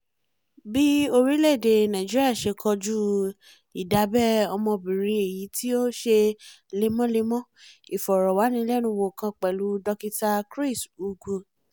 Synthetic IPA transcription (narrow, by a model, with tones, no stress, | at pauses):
bi˦o˧ɾi˦lɛ˦˨de˧nã˨d͡ʒi˦ɾi˦a˦˨ʃe˧kʰɔ˧d͡ʒu˦ | i˨da˨˦bɛ˦˨ɔ˧mɔ̃˧bi˨ɾĩ˧˦e˨ji˨˦ti˦o˦ʃe˧ | le˧mɔ̃˦le˧˦mɔ̃˦i˨fɔ˨ɾɔ˨wa˨˦nĩ˧˦lɛ˦nũ˧˦˧wo˨kã˧k͡pɛ˨lu˨˦dɔ˧ki˧ta˧kɾi˦˨su˨ɡu˧˨